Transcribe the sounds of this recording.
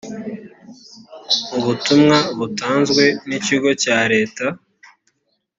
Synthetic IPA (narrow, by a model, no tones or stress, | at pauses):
uβutumŋaβutaːnzɡwe̞niciɡo̞caɾe̞ːta